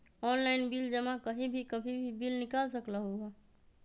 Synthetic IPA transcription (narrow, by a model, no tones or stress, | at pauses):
ɔnlaɪnbild͡ʒəmãkəɦibʱikəbʱibʱibilnɪkalsəklaɦoa